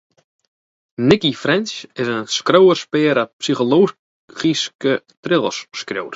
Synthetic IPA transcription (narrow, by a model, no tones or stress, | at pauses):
nɪkifɾɛnsɪsənskɾowərspɪːɾapsiχolow | χiskə | t̪ɾɪlˠə̰sːkrjo̰wɾ